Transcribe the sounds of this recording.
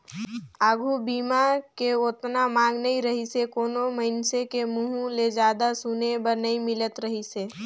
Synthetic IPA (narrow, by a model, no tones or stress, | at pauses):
aːɡʱubiːmakeot̪namãːŋɡnɐɦiɾɐɦisekoːnomɐɪnsekemuɦũled͡ʒaːd̪asunebɐɾnɐɦĩmɪlət̪ɾəɦiseː